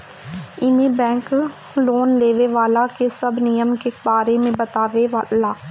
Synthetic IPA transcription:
ɪmeːbɛ̃ːŋk | loːnleːʋeːʋaːlaːkesəbnijəmkebaːɾeːmẽːbət̪aːʋeʋalaː

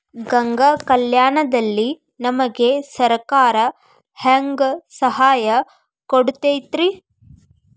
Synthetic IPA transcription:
ɡɐŋɡakɐljaːɳɐd̪ɐlːi | nɐmɐɡe̞sɐɾkaːɾɐ | haːŋɡsɐɦaːjɐ | koɽut̪eːt̪ɾi

